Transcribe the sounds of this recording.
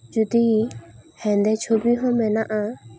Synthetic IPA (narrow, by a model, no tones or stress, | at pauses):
d͡ʒut̪i | hɛ̃nd̪ɛt͡ʃʰobiɦɔ̃mɛnaʔa